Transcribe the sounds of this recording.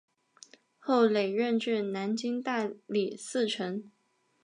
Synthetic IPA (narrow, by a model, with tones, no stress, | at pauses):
xo˥˩ʊle˨˩ɪɻə˥˧nʈ͡ʂɻ̩˥˩na˧˥nt͡ɕi˥ŋt̪a˥˩li˨˩sɹ̩˥˩ʈ͡ʂʰə˧˥ŋ